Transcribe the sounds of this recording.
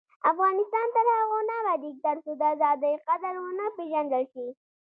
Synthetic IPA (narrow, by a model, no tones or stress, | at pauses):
afɣɑnɪst̪ɑnt̪aɾaɣonalad̪ik̚d̪aɾsod̪əazɑd̪əjqad̪əɾwʊnəpeʒand̪əlʃi